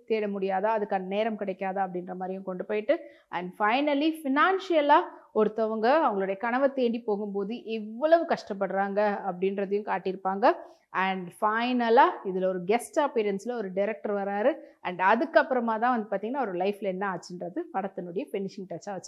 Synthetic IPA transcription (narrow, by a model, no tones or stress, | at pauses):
t̪eːɽɐmʊɽɪjaːðaɐðɯkːɐnɐneːɾɐmkɪɽɛkʲːaːðɐːɐp̬ːɐɽɪnɾɐmaːd̪ɾɪjʊ̃kɔɳɖɯpoːjɪʈːɯ | ʔɐɳɖfɐɪnɐlifɪnaːnʂɪjɐlaːɔɾɯt̪ːɔʋɐŋɡɐɐʋɐŋɡɐɭoːɽɐjɐkɐɳɐʋɐt̪eːɳɖipoːɣɯmpoːðɯʔɪʋːɐɭɐʋɯkɐʂʈɐpːɐɽɯɾaːŋɡɐɐpːɐɽɪnɾɐðɯjʊ̃kaːʈːɪɾɯpːaːŋɡɐ | ɐɳɖfɐɪnɐlaːɪðɪlɔɾɯɡɛsʈaːpeːɾɐnslɐɔɾɯɖɪɾɛk̚ʈɐɾʋɐɾaːɾɯɐɳɖɐðɯkːɐpːɯɾɐmaːt̪ãːʋɐnd̪ɯpaːɾt̪iŋɡɐnːaːɔɾlɐɪflɛnːɐaːt͡ʃːɪndɾɐðɯpɐɽɐt̪ːɐnːɯɽɐjɐfɪnːɪʂɪŋʈɐt͡ʃːaːʋɐt͡ʃːɯ̥